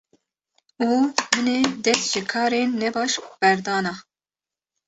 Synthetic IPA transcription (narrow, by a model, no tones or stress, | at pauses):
uːmɨned̪ɛst̪ʒ̥ɨkʰɑːɾeːnːɛbɑːʃb̥ɛɾd̪ɑːnɑː